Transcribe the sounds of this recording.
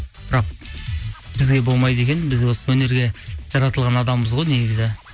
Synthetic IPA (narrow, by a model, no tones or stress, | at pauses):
b̥ɪɾɑq̚ | b̥ɪzɡʲe̞bo̞lˠmɑjd̪e̞kʲe̞nbɪzwo̞səwɵne̞ɾɡʲe̞ʒ̥ɑɾɑt̪əlˠʁɑnɑd̪ɑmːəzʁo̞jne̞ɡʲɪzɪ